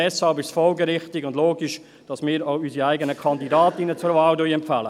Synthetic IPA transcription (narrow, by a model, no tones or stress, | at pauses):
ɛshɑlbɪʃsfɔlɡəɾɪχtɪɡʊndloːɡiʃ | d̥ɑsmɪːɾoʊysiaɪɡənəkʰɑndidaːtɪnət͡sʊɾvɑːldœjɛmfæːlə